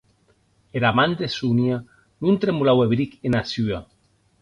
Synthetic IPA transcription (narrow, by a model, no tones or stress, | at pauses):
eɾamand̪esunja | nunt̪ɾemulaweβɾikenasya